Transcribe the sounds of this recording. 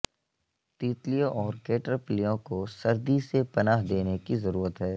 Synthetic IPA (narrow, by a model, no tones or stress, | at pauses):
t̪iːt̪lijõʔɔːɾkeːʈɾəplijõkosɐɾd̪isepɐnaːɦd̪eːnekizɐɾuːɾət̪ɦɛː